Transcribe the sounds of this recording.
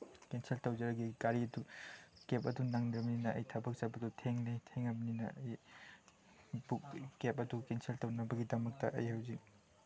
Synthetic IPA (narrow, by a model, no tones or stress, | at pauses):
kenseltɐwd͡ʒɐɾɐɡiɡaɾiɐdukep̬ɐdunaŋnɾɐbɐninɐʔɐ̰jtʰɐbɐk̚sabɐdutʰeŋnijtʰeŋɐbɐninɐ̰ɐj | buk̚kep̚ʼɐdukensʰeltɐwnɐbɐɡidɐmɐk̚tɐʔɐ̰jhɐwzik